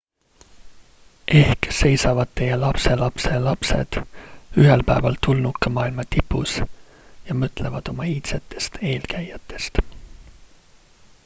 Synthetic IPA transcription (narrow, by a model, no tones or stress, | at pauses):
ʔe̞hkse̞jsɑvɑd̪̥̚t̪ːe̞jelɑpse̞lɑpse̞lɑpse̞̰d̪̥yɦelpæevɑlt̪ulnukːˑemɑːilmɑt̪ipːˑus | jɑmɤt̪ːˑle̞vɑd̪̥o̞mɑiːt̪set̪ːˑe̞̥st̪e̞ːlkæjɑt̪ˑːe̞st̪